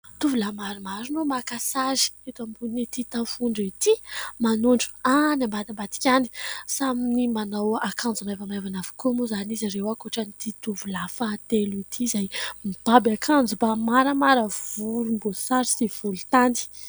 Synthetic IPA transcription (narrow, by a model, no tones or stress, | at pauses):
t̪uvulamaɾimaɾinomakasazi̥et̪ambunit̪it̪afuɳɖ͡ʐit̪imanuɳɖ͡ʐu̥anambad̪ambat̪i̥kʲani̥saminimanawakand͡zumajvamajvanavu̥komuzaniziɾewakoʈ͡ʂanit̪it̪uvulafat̪eluit̪ʰizajmib̥abakʰand͡zubamaɾəmaɾəvulumbosaɾisiv̥ulut̪ani̥